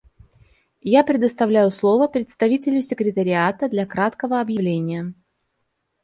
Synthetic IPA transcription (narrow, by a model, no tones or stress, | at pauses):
japɾʲɪd̪əst̪ɐvlʲæjʊslˠo̞vəpɾʲɪt̪st̪ɐvʲitʲɪlʲʊsʲɪkɾʲɪt̪əɾʲɪat̪əd̪lʲɐkɾat̪kəvəɐbjɪvlʲenʲɪjə